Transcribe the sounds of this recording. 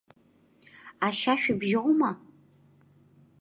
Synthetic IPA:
aʃaːʃᶣʷʊbʒɪʁʊma

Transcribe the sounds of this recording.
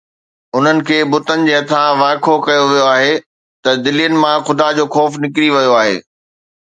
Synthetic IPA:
ʊn̤ənɪ̆kʰeːbʊt̪ənɪ̆d͡ʑeːɐt̪ʰãʋaːkʰokɐjoʋijoaːɦe | t̪ɐd̪ɪlijənɪ̆mãxʊd̪ad͡ʑoːxɔːfnɪkɾiʋɐjoaːɦḛː

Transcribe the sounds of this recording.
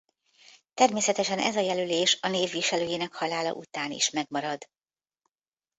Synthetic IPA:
t̪ɛrmeːsɛt̪ɛʃɛnʔɛ̰zɒjɛlyleːʃɒneːvːiʃɛløːjeːnɛkhɒlaːlɒ̰ʔut̪aːnḭʃmɛɡmɒɾɒd̪

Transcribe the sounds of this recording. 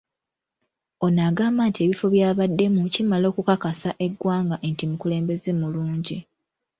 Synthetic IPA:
o̞naːɡaːmbantieβifo̞βjaːβadːe̞mucimalo̞ːkukakasaʔe̞ɡwaːŋɡaʔentimukule̞ːmbe̞ze̞muluːɲɟi

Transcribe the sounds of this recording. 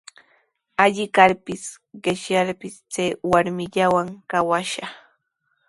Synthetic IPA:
aʎɪkaɾpɪs | ɢɪʃjaɾpɪst͡sajwaɾmɪʎawaŋkawaʃa

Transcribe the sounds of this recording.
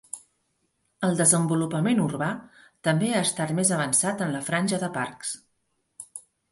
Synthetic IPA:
əlˠd̪əzəmbulupəmenurβat̪əmbeaəst̪at̪mezəβ̞ənsat̪ənləfɾanʲʒəðəparks

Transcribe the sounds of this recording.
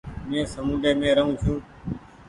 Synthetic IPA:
mẽːsəmũːɖeːmẽːɾəɦũːt͡ʃʰjũː

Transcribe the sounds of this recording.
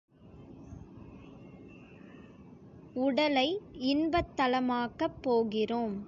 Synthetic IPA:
ʊɽɐlɐɪɪnbɐt̪ːɐlɐmaːkɐpːoːɣɪroːm

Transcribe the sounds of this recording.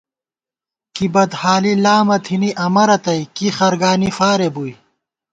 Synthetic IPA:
kibɐd̪haːlilaːmɐt̪ʰiniʔɐmɐɾɐt̪ɐjkixɐɾɡaːnifaːɾebuj

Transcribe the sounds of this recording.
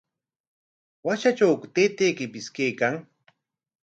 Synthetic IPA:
waʃat͡ʃawkʊt̪eːt̪eːkɪpɪskeːkaŋ

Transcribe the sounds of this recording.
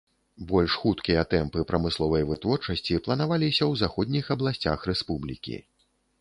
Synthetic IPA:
bɔlʲʂxut̪kʲijɐt̪ɛmpɨpɾɐmɨslˠɔvɐjvɨt̪vɔrt͡ʂɐsʲt͡sʲiplˠɐnavalʲisʲɐwzaxɔd̪ʲnʲixɐblˠasʲt͡sʲa̰xɾɛspublʲḭkʲḭ

